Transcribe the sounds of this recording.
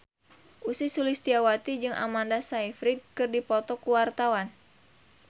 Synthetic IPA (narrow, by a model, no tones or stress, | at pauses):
ʔusisulist̪iawat̪id͡ʒɨŋa̰mandasaifɾid̚kɨrdipɔt̪ɔkuwart̪awan